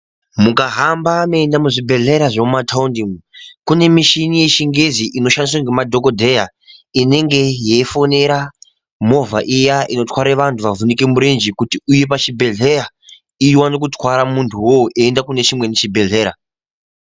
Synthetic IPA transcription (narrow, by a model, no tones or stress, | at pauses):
mukaɦambameːndamuʐibʱe̞ɮeɾaʐemumatʰaundimkune̞miʃinije̞ʃiŋɡeziʔino̞ʃanis̬waŋɡemadʱo̞kodʱe̞ja | ine̞ŋɡe̞je̞ːfo̞ne̞ɾa | mo̞vaʔijaʔino̞twaɾeʋantʰuʋavunike̞muɾind͡ʒikutiuje̞pat͡ʃibʱe̞ɮe̞ra | iwanok̬utwaɾamuntʰuwoʔeːndakune̞t͡ʃimwe̞net͡ʃibʱe̞ɮe̞ːɾa